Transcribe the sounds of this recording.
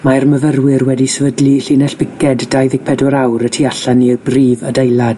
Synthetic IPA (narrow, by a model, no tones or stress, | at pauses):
marməvərwɪrwɛdisəvədliɬiːnɛɬb̥ɪkʰɛddajðɪɡ̥̚pʰɛdʊɾawɾətʰiaɬanːiəbriːvədejlˠad̥